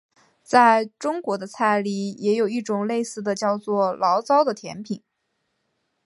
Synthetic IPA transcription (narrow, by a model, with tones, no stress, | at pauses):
t͡sa˥˩ɪʈ͡ʂʊ˥ŋkwɔ˧˥d̪ə˧t͡sʰa˥˧ɪli˥˩jɛ˧˥jo˨˩ʊi˥˩ʈ͡ʂʊ˨˩ŋle˥˧ɪsɹ̩˥˩d̪ə˩t͡ɕjɑ˥˧ʊt͡swɔ˥˩lɑ˧˥ʊt͡sɑ˥ʊd̪ə˨t̪ʰjɛ̰˧˥npʰi˨˩˦ŋ